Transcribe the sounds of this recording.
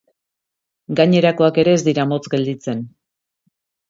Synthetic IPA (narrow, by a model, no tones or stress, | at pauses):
ɡaɲe̞ɾako̞ake̞ɾe̞ːzd̪iɾamo̞t͡sɡe̞ld̪it͡se̞n